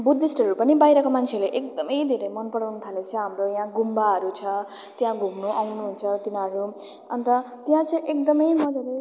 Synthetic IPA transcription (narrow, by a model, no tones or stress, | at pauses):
bud̪ʱesʈɦʌɾupʌnibajɾʌkomant͡sʰeleʔek̚d̪ʌmʌjd̪ʱeɾemʌnpʌɽawnʌt̪ʰalet͡sʰʌɦamrojãɡumbaɦʌɾut͡sʰʌ | t̪jãɡʱumnuʔawnuɦunt͡sʰʌt̪inaɾu | ʌnt̪ʌ | t̪jãt͡sʌiʔek̚d̪ʌmʌjmʌd͡zaɾe